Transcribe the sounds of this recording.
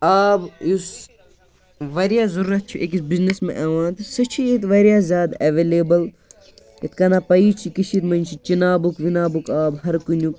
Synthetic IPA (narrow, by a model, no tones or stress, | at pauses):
aːbjus | ʋɐɾjaːzɐɾuːɾɐt̪̚t͡ʃʰiʔek̬isbiznesmḛ̃ʔɐʋãːnt̪sɐt͡ʃʰiet̪ʋɐɾjaːzʲjaːd̪ɐʋeːleːbɐl | et̪kɐnapɐiːt͡ʃʰikiʃʰit̪mɐnʲt͡ʃʰit͡ʃinaːbukʋinaːbukaːbɦɐɾkunʲuk̚